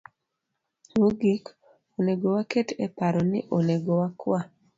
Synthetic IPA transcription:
moɡik | oneɡowaketɛpaɾɔnɪ̰ʔoneɡowakwa

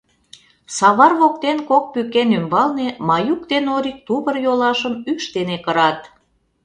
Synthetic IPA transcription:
sɑβɑrβok̚t̪enkok̚pykenymbɑlnemɑjuk̚t̪enoɾik̚t̪uβərjolɑʃəmyʃt̪enekəɾɑt̪

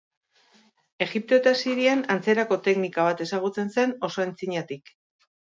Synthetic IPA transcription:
e̞ɣip̚t̪o̞et̪asiɾianant͡se̞ɾako̞t̪e̞knikaβ̞at̪e̞saɣ̞ut͡se̞nse̞no̞so̞ent͡siɲat̪ik

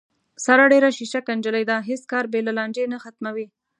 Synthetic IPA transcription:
saɾaɖeɾaʃiʃakand͡ʒəlajd̪aɦeskɑɾbelalɑɳd͡ʒenaxat̪mawi

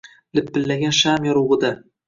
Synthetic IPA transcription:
lɪpːɪlːaɡʲanʃamjɒɾuʁɨd̪a

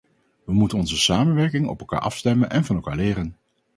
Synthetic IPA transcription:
ʋəmutənɔnzəsaːmənʋɛɹkɪŋɔ̰pɛlˠka̰ːɹʔɑfstɛmənʔɛnvɑnɛlˠkaːɹlɪːɾən

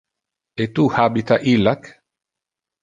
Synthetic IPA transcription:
et̪uhabit̪aʔilak

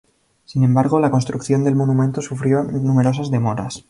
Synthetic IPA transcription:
sinẽ̞mbaɾɣ̞o̞lako̞nst̪ɾukθjo̞nd̪e̞lmo̞numẽnt̪osufɾjo̞nume̞ɾo̞sazðe̞mo̞ɾa̰s

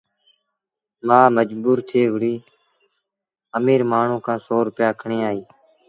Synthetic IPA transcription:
mãːməd͡ʒbuːɾt̪ʰeːʋəɽiː | əmiːɾmaːɳ̤ũːkʰãːsoːɾʊpɪjaːkʰəɳẽːaːɦiː

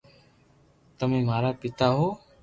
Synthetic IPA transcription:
t̪əmẽːmaːɾaːpɪt̪aːɦoː

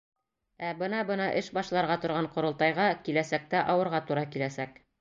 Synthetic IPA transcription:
æbɤnɑbɤnɑʔɘʃbɑʃlˠɑɾʁɑt̪ŏɾʁɑɴqŏɾŏlˠt̪ɑjʁɑkilæsæk̚t̪æʔɑwɤ̆ɾʁɑt̪uɾɑkilæsæk

